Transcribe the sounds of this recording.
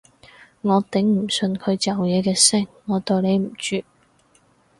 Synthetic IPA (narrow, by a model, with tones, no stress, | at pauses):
ŋɔː˨˧t̪ɪ˨˥ŋm̩˨˩sɵ˧nkʰɵ˨˧ɥt͡sɐ˨wjɛː˨˧kɛː˧sɪ˥˩ŋːɔː˨˧t̪o˨˧wne˨˧jm̩˨˩t͡ʃyː˨